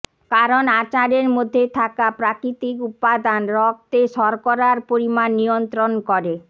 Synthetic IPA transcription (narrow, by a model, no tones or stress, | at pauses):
kaɾonat͡ɕaɾeɾmod̪ʱːet̪ʰakapɾakɾit̪ikupːad̪anɾɔk̚t̪eʃɔɾkɔɾaɾpoɾimanːijont̪ɾonkɔɾe